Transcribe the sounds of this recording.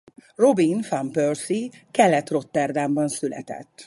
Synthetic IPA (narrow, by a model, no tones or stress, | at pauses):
ro̞binfampørsikɛlːɛt̪ro̞t̪ːɛrd̪aːmbɒnsylɛ̰t̪ɛ̰t̪ː